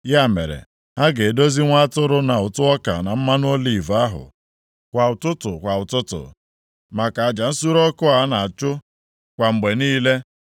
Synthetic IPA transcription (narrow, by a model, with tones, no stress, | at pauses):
ja˦˨mḛ˨ɾḛ˨ | ha˦ɡe˨do˦zi˦ŋʷa˦a˦tʊ˦ɾʊ˦na˨ʊ˨tʊ˦ɔ˦ka̰˨na˨m̩˦ma˦n˦o˦li˨va˦ɦʊ̰˨ | kʷa˨ʊ˨tʊ˦tʊ̰˨kʷa˨ʊ˨tʊ˦tʊ̰˨ | ma˨ka˨a˨d͡ʒa˨n̩˦su˦ɾɔ˦kʊ˦a˨˦na˨a˨t͡ʃʊ˦ | kʷa˨ŋ͡m̩˨ɡ͡be˨niː˦le˦